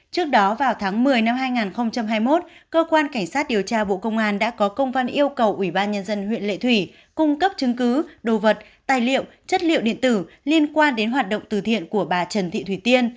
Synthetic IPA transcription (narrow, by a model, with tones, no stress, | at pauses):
t͡ɕɨ˦˥ək̚ɗɔ˨˦vaː˨˩wt̪ʰaː˨˦ŋmɨ˨˩əjna˧mɦaː˧jŋaː˨˩nxə˧wŋ͡mt͡ɕa˧mɦaː˧jmo˦˥t̚kəː˧kwaː˧nka˧˩ŋ̟saː˦˥t̚ɗi˨˩əwt͡ɕaː˧ɓo̰˧˨kə˧wŋ͡mʔaː˧nɗa̰ː˧˥kɔ˨˦kə˧wŋ͡mvə˧nʔi˧əwkə˨˩wʔwi˧˩ɓaː˧nɲə˧nzə˧nɦwḭ˧˨ənlḛ˧˨t̪ʰwi˧˩ | kʊ˧ŋ͡mkə˦˥p̚t͡ɕɨ˨˦ŋkɨ˨˦ɗo˨˩və˨˩t̚ | t̪aː˨˩jlḭ˧˨ə˨wt͡ɕə˦˥t̚lḭ˧˨wɗḭ˧˨ənt̪ɨ˧˩li˧ənkwaː˧nɗe˨˦nɦwaː˨˩t̚ɗo̰˧˨wŋ͡mt̪ɨ˨˩t̪ʰḭ˧˨ənku˧˩əɓaː˨˩t͡ɕə˨˩nt̪ʰḭ˧˨t̪ʰwi˧˩t̪i˧ən